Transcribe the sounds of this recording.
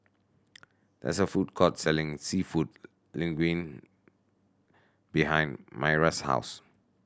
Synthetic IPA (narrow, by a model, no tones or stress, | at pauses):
d̥ɛ̰tsəfud̚kʰɔtsɛlɪ̃ŋsifud | lĩŋɡwĩn | biɦãɪ̃nmaɪɹasha̰ʊs